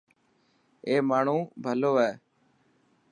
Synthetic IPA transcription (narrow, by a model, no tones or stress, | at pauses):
eːmaːɳ̤ũːbʱəloːɦɛː